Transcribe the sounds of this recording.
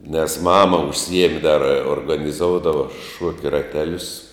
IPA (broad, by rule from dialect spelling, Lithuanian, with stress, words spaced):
nʲɛs ˈmɑːmɐ ʊʃʲˈsʲiɛmʲɪ dɐr oːrɡɐnʲɪˈzoːʊdɐʋɐ ˈʃuɔkʲɛ rɐˈtʲæːlʲʊs